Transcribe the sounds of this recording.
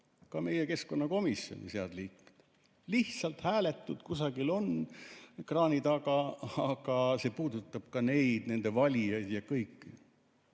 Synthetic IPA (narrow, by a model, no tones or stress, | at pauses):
kɑme̞jeke̞sko̞nːɑko̞misjonʲḭseɑ̰d̪̥liːku̥d̪̥ | liht̪sɑlt̪hæːle̞t̪ːud̪̥kusɑɡ̥ilo̞n | krɑːnʲit̪ɑɡɑɑɡ̥ɑse̞puːd̪̥ut̪ːˑɑb̥̚kɑne̞jd̪̥ne̞nd̪e̞vɑlʲijɑjd̪jɑkɤjkːi